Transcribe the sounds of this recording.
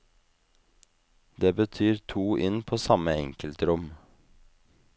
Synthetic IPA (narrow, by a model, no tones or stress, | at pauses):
d̪eːbət̪ʰyːɾt̪ʰuːʔɪnpʰoːsɑməɛŋkəlt̪ɾʊm